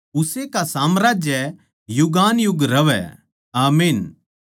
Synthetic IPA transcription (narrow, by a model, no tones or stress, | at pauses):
ʊsekasaːmɾaːd͡ʒjɛ | jʊɡaːnjʊɡɾɐʋɛ̰ | aːmiːn